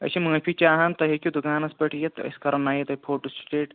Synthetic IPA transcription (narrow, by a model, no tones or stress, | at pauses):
ɐ̰simɐ̃ːpʰit͡ʃaːɦant̪ɐɦekʲud̪ukaːnɐspɐʈʰjet̪ɐ̰skɐɾɐnːaːɦjit̪ɐipʰoːɾʈusʈeːʈ